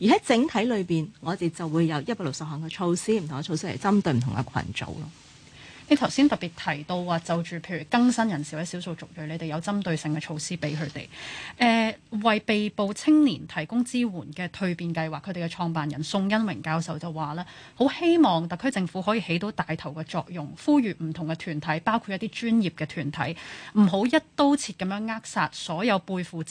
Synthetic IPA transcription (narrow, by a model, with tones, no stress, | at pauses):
jiː˨˩ɦɐ˨˥jt͡sɪ˨˥ŋt̪ʰɐ˨˥jlɵ˨˧ɥpiː˨nŋɔː˨˧t̪e˨˩t͡sɐ˨wːuː˨˧jjɐ˨˧wjɐ˥t̚paː˧˥lo˨k̚sɐ˨p̚hɔː˨˩ŋkɛ˧t͡ʃʰo˧wsiː˥m̩˨t̪ʰŋɛ˧t͡ʃʰo˧wsiː˥ɐ̰˨˩t͡sɐ˥mt̪ɵ˧ɥm̩ʰ˨˩ʊ˨ŋkɛ̰˧kʰɐ̰˨˩nt͡ʃo̰˨˧wlɔː˦ | ne˨˧jt̪ʰɐ˨˩wsiː˥nt̪ɐ˨˩pi˨t̚t̪ʰɐ˨˩jt̪o˧waː˨˧t͡sɐ˨wt͡ʃyː˨˩pʰe˧jyː˨˩kɐ˥ŋsɐ˥njɐ˨˩nsi˨˩wɐ˨˥siː˨˥wso˨˧wt͡sʊ˨k̚jɵ˨˩le˨˧t̪e˨˩jɐ˨˧wt͡sɐ˥mt̪ɵ˧ɥsɪ˨ŋkɛː˧t͡ʃʰo˧wsiː˥pe˨˥jkʰɵ˨˧t̪ḛ˨˩jʔɛː˨˧wɐ˨jpe˨jpo˨wt͡sʰɪ˥ŋniː˨˩nt̪ʰɐ˨˩jkʊ˥ŋt͡siː˥wuː˨˩nkɛː˧t̪ʰɵ˧ɥpiː˨nkɐ˧jwaː˨kʰɵ˨˧˥t̪e˨˩kɛ˧t͡ʃʰɔː˧ŋpaː˨njɐ˨˩nsʊ˧ŋjɐ˥nwɪ˨˩ŋkaː˧wsɐ˨˧wt͡sɐ˨˩waː˨˩lɛː˥ | ho˨˥whe˥jmɔː˨˩ŋt̪ɐ˨kʰːɵ˥t͡sɪ˧ŋfuː˨˥ɦɔː˨˥jiː˨he˨˥jt̪o˨˥wt̪aː˨jt̪ʰɐ˨˩wkɛː˧t͡ʃɔː˧k̚jʊ˨ŋfuː˥jyː˨˩m̩˨˩t̪ʰʊ˨˩ŋkɛ˧t̪ʰyː˨˩nt̪ʰɐ˨˥jpaː˥wkʰu˧t̚jt̪iː˥t͡ʃyː˥njiː˨p̚kɛː˧t̪ʰyː˨˩nt̪ʰɐ̰˨˥jm̩˨˩ɦo˨˥wjɐ˥t̚t̪o˥wt͡sʰiː˧t̚kɐ˨˥mjœː˨˥ŋːaː˥k̚saː˧t̚sɔː˨˥jɐ˨˧wpuː˧jfuː˨